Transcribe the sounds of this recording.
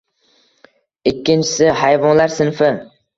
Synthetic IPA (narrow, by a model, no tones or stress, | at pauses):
ɪkʲːɪnt͡ʃʰɪ̥sɪhajvɒnlaɾsɪnfɪ